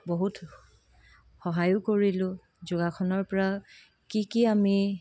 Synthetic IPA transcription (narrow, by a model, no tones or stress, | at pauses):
boɦut | xɔɦajʊkoɹilʊ̃ | zoɡakʰɔnɔɹpɔɹa | kikiami